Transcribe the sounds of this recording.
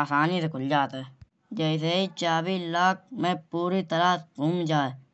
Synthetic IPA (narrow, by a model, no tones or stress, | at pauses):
aːsaːnisekʰʊld͡ʒaːt̪eː | d͡ʒɛːɪs̬eːit͡ʃaːbiːlaːk̚mẽpuːɾiːt̪əɾaːkuːmd͡ʒaːe